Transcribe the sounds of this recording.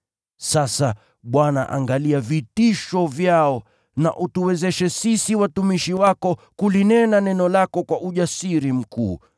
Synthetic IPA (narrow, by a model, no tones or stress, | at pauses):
sasa | ɓwana̰ʔa̰ŋɡaliavitiʃɔvjaɔ | na̰ʔutuwɛzɛʃɛsisiwatumiʃiwakɔkulinɛnanɛnɔlakɔkwaʔuʄasiɾim̩kṵː